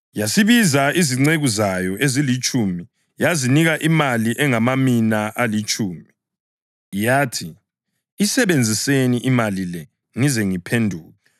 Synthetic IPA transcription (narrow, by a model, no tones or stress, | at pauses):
jasiβizaiziŋ͡ǀeɣuzajɔʔezilit͡ʃʼumi | jaziniɣaʔimaliʔɛŋamaminaʔalit͡ʃʼuːmi | jaːtʰi | isɛβend͡zʱiseniʔimalilɛ | ŋizɛŋipʰendʱuːɣa